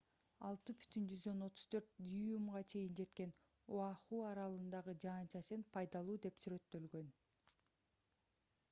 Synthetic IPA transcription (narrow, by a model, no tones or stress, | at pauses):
ɑlˠt̪ɯby̥t̪ʰynd͡ʒyzd̪ø̞no̞t̪ʰu̥z̥t̪ʰø̞ɾt̪̚d̪ʲijumʁɑt͡ʃʰe̞jind͡ʒe̞t̪ke̞n | uɑχuːɑɾɑlˠɯnd̪ɑʁɯd͡ʒɑːnt͡ʃɑsenpʰɑjd̪ɑlˠuːd̪e̞psyɾø̞t̪ːø̞lɡø̞n